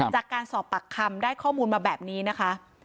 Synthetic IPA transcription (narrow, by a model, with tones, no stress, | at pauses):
t͡ɕaː˨˩kːaː˧nsɔː˨˩pːa˨˩kʰːa˧mdaː˥˩jkʰɔː˥˩muː˧nmaː˧bɛː˨˩p̚niː˦˥na˦˥kʰa˦˥